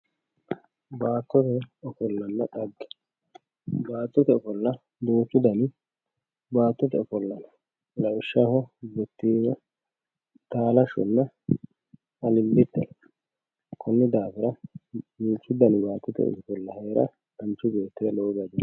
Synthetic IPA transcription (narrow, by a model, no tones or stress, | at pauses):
baːt̪ːɔt̪ɛɔfɔlːɐnːɐᶑɐɡːɛ̥ | baːt̪ːɔt̪ɛɔfɔlːɐ | d̪oːt͡ʃːɪd̪ɐn | baːt̪ːɔt̪ɛɔfɔlːɐnɐ | lɐwʊʃːahɔbɛt̪ːiːnɐ | t̪aːlɐʃɔ̰nːɐ | ɐlɪlːɪt̪ːɛn | kʰɔnːɪd̪aːfɪɾɐd̪uːt͡ʃːɪd̪ɐnbaːt̪ːɔt̪ɛ̰ɔ̰sɔfɔlːɐheːɾɐ̰ | d̪ɐnt͡ʃːʊbe̞ːt̪ːɪd̪ɐloːɡɐd̪ɪn